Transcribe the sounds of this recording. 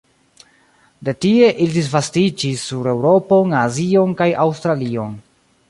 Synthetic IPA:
de̞tie̞ʔilidis̬vastid͡ʒisːuɾe̞wɾo̞po̞nazio̞nkajawstɾalio̞n

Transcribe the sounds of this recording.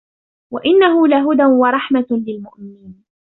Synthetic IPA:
waʔɪnːaɦʊlaɦʊd̪anwɑɾˤɑħmalɪlmʊʔmɪniːn

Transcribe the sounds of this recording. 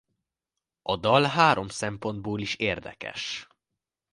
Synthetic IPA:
ʔɒd̪ɒlɦaːɾo̞msɛmpo̞nd̪̚boːliʃeːrd̪ɛ̰kɛ̰ʃ

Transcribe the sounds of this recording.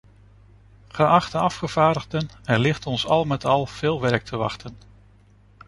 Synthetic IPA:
χəʔɑχtəɑfχəv̥aːɹdəʁdənɛɹlɪχtɔnsɑlˠmɛtɑlˠv̥ɪːlˠʋɛɹk̚tʰəʋɑ̰χtən

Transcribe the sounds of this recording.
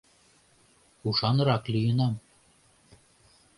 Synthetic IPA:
uʃɑnɤ̆ɾɑklʲijɤ̆nɑm

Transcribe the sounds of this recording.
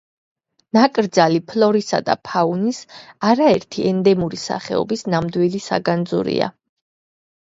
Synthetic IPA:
nakʼɾd̪zalipʰlɔɾisa̰d̪a̰pʰaunisaɾaɛɾt̪ʰiʔɛnd̪ɛmuɾisa̰χɛ̰ɔ̰bisnamd̪wilisa̰ɡand̪zṵɾḭa̰

